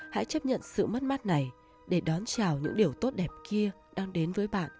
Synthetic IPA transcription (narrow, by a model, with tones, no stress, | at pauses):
ha̰˧˥jt͡ɕə˦˥p̚ɲə̰˧˨nsɨ̰˧˨mə˦˥t̚ma˦˥t̚na˨˩j | ɗe˧˩ɗɔ˨˦nt͡ɕaː˨˩wɲɨ̰˧˥ŋɗi˨˩əwt̪o˦˥t̚ɗɛ˨˩p̚ki˧ə | ɗaː˧ŋɗe˨˦nvəː˨˦jɓa̰ː˧˨nʔ